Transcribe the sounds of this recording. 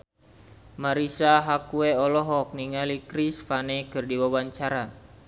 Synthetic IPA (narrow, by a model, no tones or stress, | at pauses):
maɾisaɦakueɔlɔɦɔk̚niŋalikɾisfanekɨrdiwawaɲt͡ʃaɾa